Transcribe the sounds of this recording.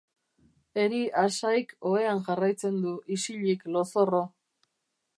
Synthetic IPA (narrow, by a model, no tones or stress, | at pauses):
e̞ɾiʔasajko̞e̞anʝarajt͡se̞nd̪uʔisiʎiklo̞so̞ro